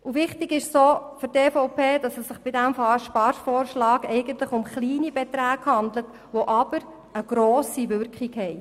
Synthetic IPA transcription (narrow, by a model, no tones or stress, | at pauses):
ʔuʋɪχtɪɡɪʃsoːfʏɾtefoʊpeːd̥ɑsɛssɪχb̥idæmfɑlʃpɑɾsfoːɾʃlɑːɡɛɪɡəntləχʊmχliːnibɛt̪ɾæːkhɑndlət | ʋoʔɑb̥əɾ | əɡ̥ɾoːsiʋʏɾkχikhɛj